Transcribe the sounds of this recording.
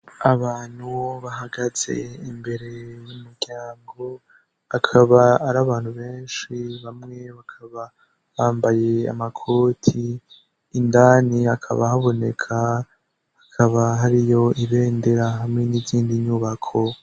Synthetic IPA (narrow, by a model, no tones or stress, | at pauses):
aβaːn̥huβaɦaɡaz̥e̞̰imbe̞ɾe̞wumuɾɟaːŋɡo̞ | akʰaβaːɾaβaːnhuβe̞ːnʃiβamŋe̞βakʰaβa | βaːmbaje̞a̰makʰo̞ːtʰiː | ndaːniakʰa̰βahaβo̞ne̞kʰa | hakʰaβaɦaɾijo̞iβe̞ːnde̞ɾaɦamŋe̞niziːndiɲuβakʰo̞